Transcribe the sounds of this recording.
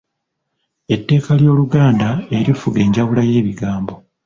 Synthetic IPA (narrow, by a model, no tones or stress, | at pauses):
e̞tːe̞ːkaljo̞ːluɡaːndae̞ɾifuɡe̞ːɲɟawulaje̞ːβiɡaːmbo̞